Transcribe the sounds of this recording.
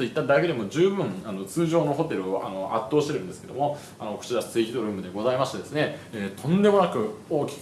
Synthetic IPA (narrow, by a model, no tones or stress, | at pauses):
t̪o̞it̪ːad̪ake̞d̪e̞mo̞d͡ʑɨːbɯ̟̃ɴano̞t͡sɨːʑo̞ːno̞ɦo̞t̪e̞ɾɯ̟oʔa̰no̞ʔat̪ːo̞ːɕit̪eɾɯ̟̃nd̪esɨ̥ke̞d̪omo̞ | anoko̥t͡ɕiɾḁt͡sɨikʲid̪o̞ɾɯ̟ːmɯ̟d̪e̞ɡo̞zaimaɕi̥t̪ed̪e̞sɨne̞eːt̪ʰõ̞nd̪e̞mo̞nakɯ̟o̞ːkʲi̥k